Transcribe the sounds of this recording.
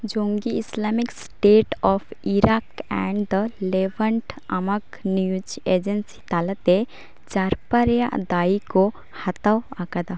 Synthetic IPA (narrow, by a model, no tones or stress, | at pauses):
d͡ʒõŋɡiɪslamiksʈeːʈɔfiɾakɛ̰̃ɳɖd̪əleʋəɳʈɐmɐk | niud͡ʒed͡ʒənsi̥t̪alət̪e | t͡ʃaɾpɐɾjad̪aːiko | hɐt̪awakad̪a